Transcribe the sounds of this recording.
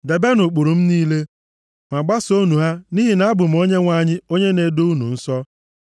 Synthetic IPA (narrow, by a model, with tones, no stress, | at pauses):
de˨be˦nʊ˨k͡pu˨ɾu˨m̩˦niː˦le˦ | ma˨ɡ͡ba˦so˦nu˨ɦa˦ni˦ɦi˨na˦bʊ˨m̩˦o˦ɲe˦ŋʷa˨˦ɲɪ˦o˦ɲe˦ne˨do˦u˦nṵ˨n̩˦sɔ˦